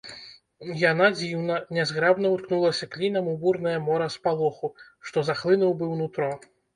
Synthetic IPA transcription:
janad͡zʲiwnɐnʲɛzɣɾabnɐut̪knulˠɐsʲɐklʲinɐmuburnɐjɐmɔɾɐspalˠɔxuʂt̪ɔzaxlˠɨnuwbɨwnut̪ɾɔ

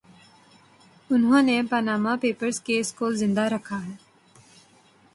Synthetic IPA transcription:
ʊnɦõːnepanaːmapeːpəɾzkeɪskoːlzɪ̃nd̪aɾɐkʰaɦɛː

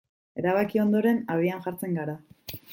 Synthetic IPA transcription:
e̞ɾaβakio̞nd̪o̞ɾe̞naβianʝaɾt͡se̞ŋɡaɾa

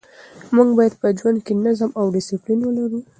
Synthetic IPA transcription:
muɡbɑjad̪̚pəd͡ʒwand̪̚kenazmawɖɪsɪplinwəlaɾu

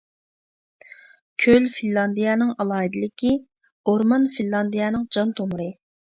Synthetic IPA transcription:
kʲʰølfinlˠɑnd̪ijɛnɨŋɑlˠɑːɦid̪ɪlɪkʲi | oɾmɑnfinlˠɑnd̪ijɛnɨŋd͡ʒɑnt̪ʰomuɾɨ

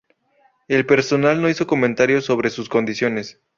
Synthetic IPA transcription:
e̞lpe̞ɾso̞nalno̞iso̞ko̞ment̪aɾjo̞so̞βɾe̞susko̞nd̪isjo̞ne̞s

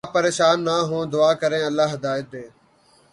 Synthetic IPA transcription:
pəɾeːʃaːnːaːɦõːd̪ʊaːkəɾẽːəlːaːɦəd̪aːjət̪̚d̪eː

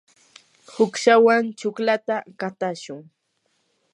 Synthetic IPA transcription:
hʊkʃawant͡ʃʊklat̪akat̪aʃʊŋ

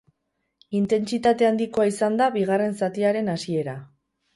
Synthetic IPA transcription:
int̪e̞nt͡sit̪at̪e̞and̪iko̞aisand̪aβiɣ̞are̞nsat̪iaɾe̞nasie̞ɾa

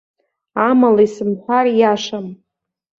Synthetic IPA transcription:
amalaisɨmħʷᶣarjaʂam

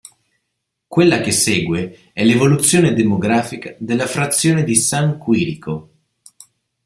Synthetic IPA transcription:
kwelːak̟eseːɡwe | ɛlevolut̪sːjoːned̪emoɡɾaːfikad̪elːafɾat̪sːjoːned̪isaŋkwiːɾiko

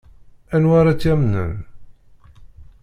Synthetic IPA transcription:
ænwaɾˤat͡sːæmnə̰n

